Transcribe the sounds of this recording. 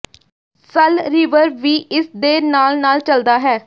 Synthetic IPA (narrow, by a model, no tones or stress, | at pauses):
səlɾɪʋəɾbʋiːɪsd̪eːnaːlnaːlt͡ʃəld̪aːɦɛː